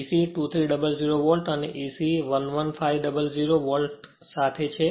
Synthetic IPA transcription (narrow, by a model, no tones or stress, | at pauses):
isiʈut̪ʰɾiɖəbəld͡ʒiɾoʋəlʈənḛʔisiʋənʋənfaiɖəbəld͡ʒiɾoʋəlʈ | sat̪ʰet͡ʃʰe